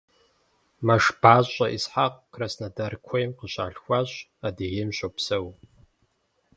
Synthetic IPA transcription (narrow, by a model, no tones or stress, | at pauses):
mɐʂb̥aːɕʼɐʔisħaqʼkʰrɐsnɐdɐrkʷʰojmqəɕa̰ːɬxʷaɕʼadɨɣemɕʷopsɐw